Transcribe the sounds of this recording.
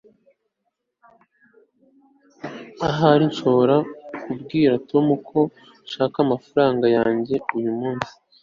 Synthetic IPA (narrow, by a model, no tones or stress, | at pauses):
aɦaɾinʃo̞βoɾakubɡiːɾatʰo̞mukʰo̞ | ʃaːkamafaɾaːŋɡajaːɲɟe̞ujumuːnsi̥